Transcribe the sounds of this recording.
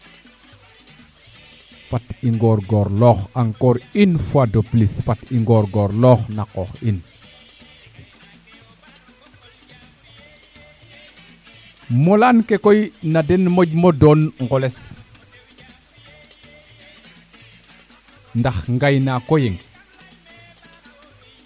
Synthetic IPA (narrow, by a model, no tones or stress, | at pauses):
fatiŋɡɔɾɡɔːɾlɔːxaŋkoɾinfuadoplisfatiŋɡɔɾɡɔɾlɔːxnakɔxin | molankekojnadenmoɟmodɔːnŋɡɔles | ndaxŋɡajnakojeŋ